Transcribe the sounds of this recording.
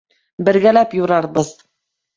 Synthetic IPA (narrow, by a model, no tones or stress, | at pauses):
bɘ̆ɾɡælæpjuɾɑɾbɤð